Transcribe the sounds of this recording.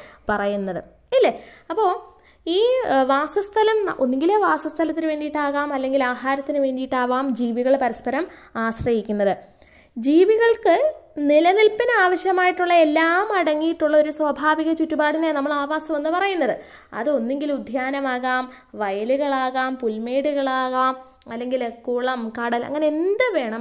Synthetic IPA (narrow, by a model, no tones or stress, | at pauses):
pɐrɐjunːɐðɨ | ilːeɐpːo̞ː | iːʋaːsɐst̪ʰɐlɐmʔo̞̰nːeŋɡileːʋaːsɐst̪ʰɐlɐt̪ːinɨʋe̞ːɳɖijiʈːaːɣaːmɐlːe̞ŋɡilaːɦaːɾɐt̪ːinɨʋe̞ːɳɖijiʈːaːʋaːmd͡ʑiːʋiɣɐɭpɐɾɐspɐɾɐmaːɕrɐhikʲːunːɐðɨ | d͡ʑiːʋiɣɐɭkɨnilɐnilpːinɨaːʋɐɕjɐmaːjiʈːuɭːɐe̞lːaːmɐɽɐŋːijiʈːuɭːɐo̞ɾuswɐbʱaːʋiɣɐt͡ɕutːubaːɽinenɐmːɐɭaːʋaːsɐmʋɐnːɨpɐrɐjunːɐðɨ | ɐ̰ðɨo̞nːeŋɡilud̪ʱjaːnɐmaːɣaːm | ʋɐjɐluɣɐɭaːɣaːmpulmeːɽuɣɐɭaːɣaːm | ɐlːe̞ŋɡilkːuːɭɐmkɐɽɐlɐ̰ŋːɐne̞end̪ɨʋe̞ːɳɐm